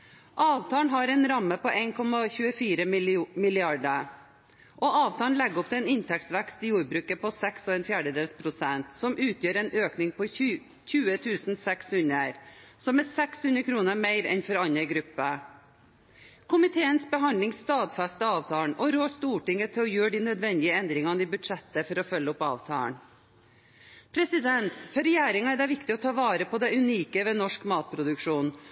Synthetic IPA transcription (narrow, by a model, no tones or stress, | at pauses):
ʔɑːʋt̪ʰɑːɳɦɑɾɛːnɾɑmːəpɔʔeɪnkʰɔmɑçʉːəfiːɾəmɪlɪɑɖə | ʔɔʔɑːʋt̪ʰɑːn̩lɛɡɔpt̪ʰɪɛːnɪnt̪ʰɛksʋɛkst̪ɪjuːɾbɾʉːkəpɔsɛksoːɛnfjæːɖəd̪eːlspʰɾʊsɛnt̪sɔmʔʉːt̪ʰjøːɾɛːnøːknɪŋpɔ | çʉːət̪ʰʉːsn̩sɛkshʉnəɾsɔmɛsɛkshʉnɾəkʰɾuːnəɾmeɪɾɛ̰nfɔɾɑnəɡɾʉpːə | kʰʊmɪt̪ʰeːənsbəɦɑnd̪lɪŋst̪ɑːd̪fæst̪əɑːʋt̪ʰɑːɳʔɔɾoːst̪uːʈɪŋət̪ʰɪɔjøːɖiːnœd̪ʋɛnd̪ɪəɛnd̪ɾɪŋɑnəibʉd̪ʂɛt̪ːəfɔɾɔfœlːəʊpɑ̰ːʋt̪ʰɑ̰ːə̰ɳ | pʰɾɛsɪd̪ɛnt̪fɔɾɛjæːɾɪŋɑɛɖɛʋɪkt̪ɪɔt̪ʰɑːʋɑːɾəpʰɔd̪ɛʉniːkəʋɛnɔʂkmɑːt̪̚pʰɾʊd̪ʉkʂuːn